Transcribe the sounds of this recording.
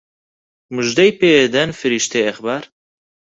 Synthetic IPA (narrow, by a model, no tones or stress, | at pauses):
muʒd̪ɐjpeed̪ɐnfɨɾiʃt̪ʰeɐxbaːɾ